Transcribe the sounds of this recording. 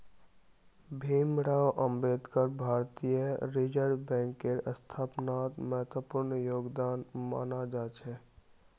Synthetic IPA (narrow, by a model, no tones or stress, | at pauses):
bʱiːmɽaːwʔə̃mbeːd̪kəɾbʱaːɾt̪ijəɾid͡ʒəɾbɛ̃ːŋkːeɾəst̪ʰaːpnaːt̪mɛɦt̪wəpʊɾnjoːɡd̪aːnma̰ːnad͡ʒaːt͡ʃʰɛ